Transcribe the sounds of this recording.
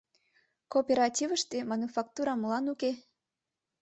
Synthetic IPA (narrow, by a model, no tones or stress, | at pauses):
kopʲeɾɑtʲivəʃt̪emɑnufɑk̚t̪uɾɑməlɑnuke